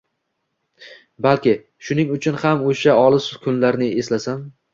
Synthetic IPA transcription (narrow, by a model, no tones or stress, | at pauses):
balkʲɪ | ʃʊnɪŋʊt͡ʃʰʊnhamoʃaɒlˠɪsʊ̥kʲʰʊnlaɾnɪe̞slasam